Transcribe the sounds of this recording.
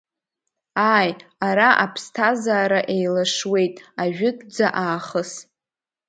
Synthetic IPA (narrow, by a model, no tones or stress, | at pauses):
aːjaɾaʔapʰstʰazaːɾaʔejlaʂwe̞jtʼaʒᶣɪtʼd͡zaʔaːχəs